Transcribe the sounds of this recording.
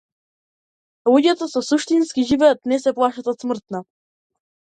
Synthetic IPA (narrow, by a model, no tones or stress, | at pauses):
lˠuɟʲat̪osɔsuʃt̪inskʲiʒivɛjət̪nɛsɛplˠaʃət̪ɔt̪sməɾt̪na